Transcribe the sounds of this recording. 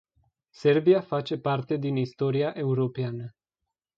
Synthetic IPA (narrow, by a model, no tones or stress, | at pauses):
se̞rbiafat͡ʃe̞part̪e̞d̪inist̪o̞ɾiaʔe̞uɾo̞peanə